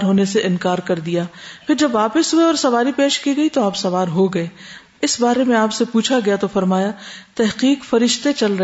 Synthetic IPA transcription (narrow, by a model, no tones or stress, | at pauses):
ɾɦoːneseʔɪ̃nkaːɾkɐɾd̪ijaːpʰɪɾd͡ʒɐbːaːpɪsɦueɔːɾsɐʋaːɾipeːʃkiɡɐit̪oaːpsɐʋaːɾɦoɡɐeː | ɪsbaːɾemẽaːpsepuːt͡ʃʰaɡɐjat̪ofɐɾmaːjat̪ɛɦqiːqfɐɾɪʃt̪et͡ʃɐlɾɐ